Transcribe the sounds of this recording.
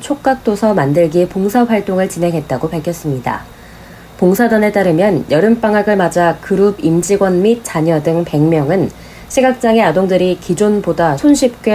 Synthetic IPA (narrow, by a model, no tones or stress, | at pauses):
t͡ɕʰok̚k͈ak̚t͈osʰʌmandɯɭɡipoŋsʰaɸwaɭt͈oŋɯɭt͡ɕine̞ŋɦe̞t̚t͈aɡopaɭkʰjʌs͈ɯmɲida̰ | poŋsʰadʌnet͈aɾɯmjʌnjʌɾɯmp͈aŋɦaɡɯɭmad͡ʑakɯɾubimd͡ʑiɡwʌnmit̚t͡ɕ͈aɲʌdɯŋpe̞ŋmjʌŋɯn | ɕʰiɡak̚t͡ɕ͈aŋe̞adoŋdɯɾikid͡ʑonbodasʰonɕʰip̚k͈we